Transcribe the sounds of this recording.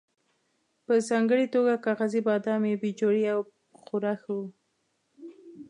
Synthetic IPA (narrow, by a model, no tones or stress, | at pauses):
pəzɑŋɡəɽit̪oɡakɑɣazibɑd̪ɑmebid͡ʒoɽiaw | xʊɾaxawu